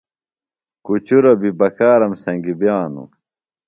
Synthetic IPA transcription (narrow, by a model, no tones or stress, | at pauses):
kut͡ɕuɾɐbibɐkaːɾɐmsɐ̃ŋɡibjaːnṵ